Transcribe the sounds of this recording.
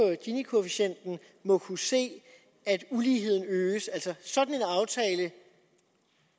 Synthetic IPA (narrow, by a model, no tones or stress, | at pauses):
ɒ̽ɡ̥inikʰo̝efiɕen̰d̥n̩ | mɒ̽kʰuse̝̰ː | æd̥uliːɦe̝ð̞̰ˠn̩øːsæl̰sɒ̽sɒ̽d̥n̩e̝nɑ̈ʊt͡sʰɛːlə